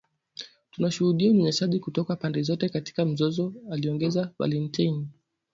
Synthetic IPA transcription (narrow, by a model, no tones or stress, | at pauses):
tunaʃuhuɗiamuɲɛsaʄikutɔkapandɛzɔtɛkati̥kam̩zɔzɔaliɔŋɡɛzava̰lintajn